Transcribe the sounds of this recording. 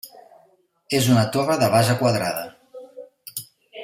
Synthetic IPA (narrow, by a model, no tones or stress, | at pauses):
ezunət̪oβəðəβazəkwaðɾaðə